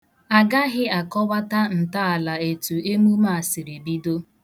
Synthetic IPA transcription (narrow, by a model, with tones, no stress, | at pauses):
a˨ɡa˦ɦɪ˦a˨kɔ˦wa˦ta˦n̩˨ta˦a˨la˨e˨tu˨e˦mu˦ma˦˨a˨sɪ˨ɾe˨bi˦do˦